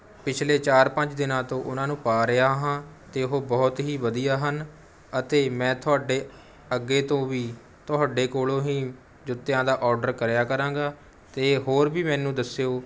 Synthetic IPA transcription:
pɪt͡ʃʰleːt͡ʃaːɾpə̃ɲd͡ʒd̪ɪnãːt̪õːʔʊnãːnũːpaːɾəjaːɦãːt̪eːɦoːbɔːt̪ɦiːʋəd̪ijaːɦən | ət̪eːmɛ̃ːt̪ʰʊaːɖeː | əɡːeːt̪õːʋiː | t̪ʊaːɖeːkoːlõːɦĩː | d͡ʒʊt̪ːejãːd̪aːʔɔːɾɖəɾkəɾjaːkəɾãːɡaː | t̪eːɦoːɾbiːmɛːnũːd̪əsjoː

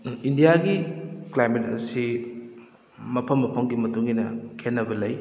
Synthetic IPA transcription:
indijaɡiklajmet̚ɐ̰si | mɐpʰɐmːɐpʰɐmɡimɐtuŋːinɐkʰenːɐbɐlɐj

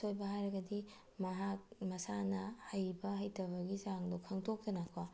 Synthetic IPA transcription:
ojbɐɦajɾɐɡɐdi | mɐɦak̚mɐsanɐhajbɐɦajtɐβɐɡizaŋdokʰɐŋtʰok̚tɐnakʰwa

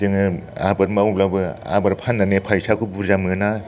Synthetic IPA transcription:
ɯŋɯa̰baɾmawblabɯa̰baɾpʰanːanepʰajsakʰubuɾzamɯna

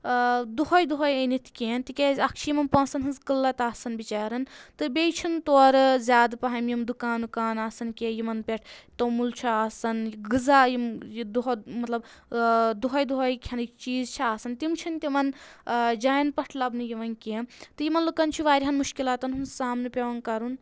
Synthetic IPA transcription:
d̪uɦɔjd̪uɦɔjɐjnit̪ʰkeːnt̪ikʲezɐkʰt͡ʃʰijimɐnpɐ̃ːsɐnɦɨnzkɨlːɐt̪aːsɐnbit͡ʃaːɾɐnt̪ɨbejt͡ʃʰint̪oːɾzʲaːd̪pɐɦɐjmjimd̪ukaːnukaːnaːsɐnkʲejimɐnpʲeʈʰt̪ɐmult͡ʃʰiaːsɐnjiɡɨzajimjid̪uɦmɐt̪lɐb | d̪uɦɔjd̪uɦɔjkʰɐnt͡ʃiːzt͡ʃʰiaːsɐnt̪imt͡ʃʰint̪ʲimɐnd͡ʒaːjnpɐʈʰlɐbnɨjiʋɐnkʲeːnt̪ɨjimɐnlɐbkɐnt͡ʃʰiʋaːɾʲiɦɐnmuʃkilaːt̪ɐnɦunsaːmnepʲeʋɐnkɐɾun

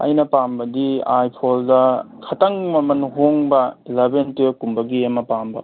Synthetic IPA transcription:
ɐ̰jnɐpambɐdiajpʰoldɐkʰɐtɐŋmɐmɐnɦoŋbɐlebentukumbɐɡiɐmɐpambɐ̰

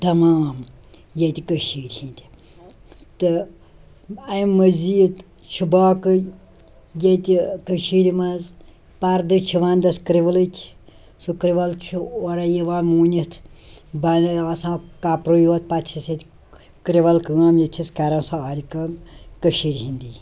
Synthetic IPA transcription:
t̪ɐmaːm | jet̪ʲikəʃiːɾʲhĩnd̪ʲi | t̪ɨ | ɐmːəzit̪ | t͡ʃʰubaːkɨj | jet̪ʲikəʃiːɾimaz | paɾd̪ɨt͡ʃʰiʋaːnd̪ɐskɾiʋɐlɨt̪ʲʰi̥ | sukɾiʋɐlt͡ʃʰuoɾajiʋaːmuːnit̪ʰbanaːsãːkapɾujoːt̪̚pɐt̪ʲt͡ʃʰiset̪ʲ | kɾiʋɐlkɨaːmjet͡ʃʰiskɐɾaːnsaaːɾikɐmkəʃiːɾʲɦind̪iː

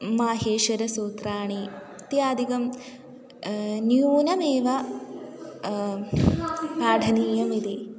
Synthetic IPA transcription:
maːɦeːʃɐɾɐsuːt̪ɾaːɳi | t̪iaːd̪ʱikɐm | njuːnɐmeːʋɐ | paːɖʱɐniːjɐmid̪i

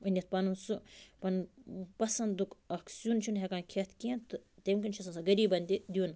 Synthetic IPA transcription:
ɐnʲɐt̪̚pɐnunsupɐnpɐsɐnd̪ukɐksʲunt͡ʃʰunɦekaːnkʰet̪kẽnt̪ɨt̪emkɐnt͡ʃʰisɐnsɐɡɐɾiːbɐnd̪id̪ʲuːn

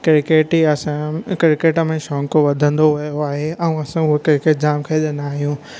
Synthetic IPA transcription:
kɪɾkeːʈiɐsãkɪɾɪkeːʈəmẽʃɔ̃ːŋkoʋɐd̪ʱə̃nd̪oɦɐjoaːɦeɐ̃ũɐsãʊɦokɪɾkeːʈ̚d͡ʑaːmkʰɐʄənaːɦijũː

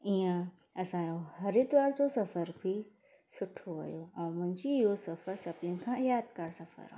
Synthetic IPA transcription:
ijã | ɐsãjohɐɾit̪ʋaːɽd͡ʑosɐfəɾbʱi | sʊʈʰoʋɐ̰joãmɐ̃ɲd͡ʑiɦosɐfəɾsɐbnĩkʰãjaːd̪kaɽsɐfə̰ɾa̰

